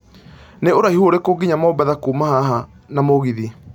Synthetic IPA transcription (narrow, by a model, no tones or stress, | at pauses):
neoɾaihoɾekoɡiɲamaobaðakuːmaɦaɦa | namoɣiði